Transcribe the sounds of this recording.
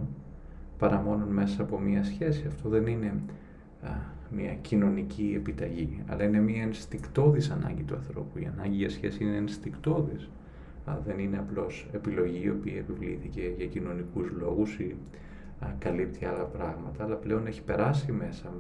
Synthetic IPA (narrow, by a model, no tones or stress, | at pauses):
pɐɾɐmo̞nunme̞sɐːpo̞miɐsçe̞siɐft̪o̞ðe̞nine̞ | mɲɐ̰cino̞nicʰie̞pit̪ɐʝiɐ̰lɐine̞miɐenst̪ikt̪o̞ðisɐnɐ̰ɲɟit̪uɐ̰nθɾo̞̰puḭɐ̰nɐɲɟiʝɐsçe̞siineːnst̪ikt̪o̞ðis | ðe̞nine̞ɐplo̞se̞pilo̞ʝiːo̞piɐepivlḭθice̞ʝɐcino̞nikuzlo̞ɣusi | kɐlip̚t̪ʰiɐlɐpɾɐɣmɐt̪ɐːlɐple̞o̞ne̞çi̥pe̞ɾɐsime̞sɐ